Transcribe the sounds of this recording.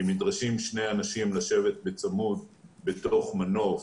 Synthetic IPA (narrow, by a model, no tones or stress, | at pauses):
imidʁaʃimʃne̞janaʃimlaʃe̞vet̪̚bet͡samud̚bet̪o̞χmano̞f